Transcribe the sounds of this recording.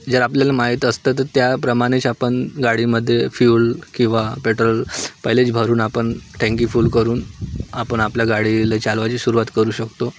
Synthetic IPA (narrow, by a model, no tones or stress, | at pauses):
d͡zəɾapljalamaɦit̪əst̪at̪ːət̪japɾəmaɽ̃it͡sapəɳɡaɽiməd̪ʱːjefjuːlkĩw̃ʋapeʈɾəlpəɦlet͡sbʱəɾuːnapəɳʈʰẽŋkifuːlkəɾuːnapəɳapljaɡaɽilet͡salʋat͡ɕiːɕuɾuʋat̪kəɾuːɕəkt̪o